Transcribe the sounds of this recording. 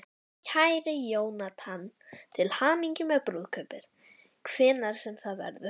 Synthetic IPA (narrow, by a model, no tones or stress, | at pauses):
cʰaːjɾɪjoːwnat̪ʰant̪ʰɪlhaːmiɲcʏmœpɾuðkʰœːpɪɾ̥ | kʰv̥ɛːnaɾ̥sɛmθaðvɛ̰ɾðʏ